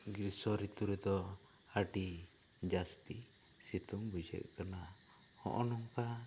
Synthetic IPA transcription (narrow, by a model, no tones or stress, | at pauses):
ɡiɾsɔɾit̪uɾɛt̪ɔaʈi | d͡ʒast̪i | sit̪uŋbud͡ʒɛ̰ʔ̚kana | hɔ̰ʔɔnɔŋka